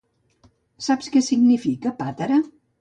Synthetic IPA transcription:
sapskɛsiɡnifikəpat̪əɾə

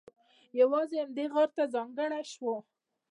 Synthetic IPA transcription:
jawɑzeamd̪eɣɑɾt̪azɑŋɡəɽaʃwo

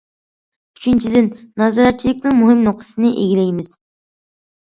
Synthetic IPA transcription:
y̥t͡ʃʰint͡ʃʰid̪ɪnːɑzɑɾɛt̪̚t͡ʃʰilɪk̚ʲnɪŋmuɦɪmnoq̚t̪ʰɨ̥sɨnɪʔeɡʲilɛjmɪz̥

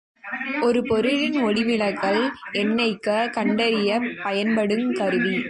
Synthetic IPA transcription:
ʔɔɾɯpɔɾɯɻɪnɔɽɪmɪlɐɣɐɭɛnːɐɪkːɐkɐɳɖɐɾɪjɐpːɐjɐnpɐɽɯmkɐɾɯʋi

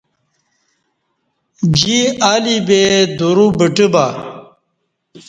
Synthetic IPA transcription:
d͡ʑiaːlibed̪uɾubəʈiba

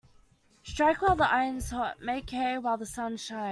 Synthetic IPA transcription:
stɹ̥aɪkwaɪlˠðiʔaɪə̃nz̥ɔʔmeɪkʰɛɪwaɪlˠðəsʌ̃nʃãɪ̃

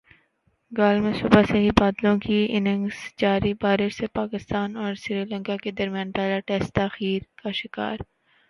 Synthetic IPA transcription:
ɡaːlmẽsʊbaseɦibaːd̪lõkiɪnɪ̃ŋɡsd͡ʒaːɾibaːɾɪɾsepaːkɪst̪aːnɔːɾʃɾiːlə̃ŋkaked̪ɐɾmijãːnpɛɦlaʈɛːsʈt̪aːxiːɾkaʃɪka̰ːɾ

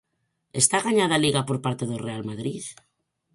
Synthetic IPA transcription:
est̪aɣaɲaðaliɣapoɾpaɾt̪eðorealmaðɾið

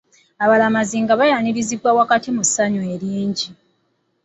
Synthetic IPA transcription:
aβalamaziːŋɡaβajaɲiɾizibwawakatimusaɲueɾiːɲɟi

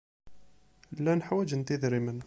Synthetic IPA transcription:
lːænħawæd͡ʒənt̪iðɾimən

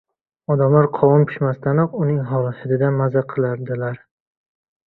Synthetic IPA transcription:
ɒd̪amlaɾqʰɒwʊmkʲʰʊ̥ʃmast̪ʰanɒqʊnɪŋɦɒlˠɪsɪd̪ɪd̪anmazaqʰɨlˠaɾd̪ɪlaɾ

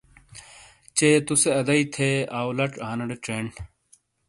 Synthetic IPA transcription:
t͡ɕeːt̪useɐd̪ɐit̪ʰeaːwlɐʈaːnɐɽeʈɾeɳɖ

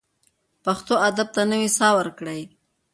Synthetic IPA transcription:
paxt̪oad̪ab̚t̪anəwisɑwəɾkɽəj

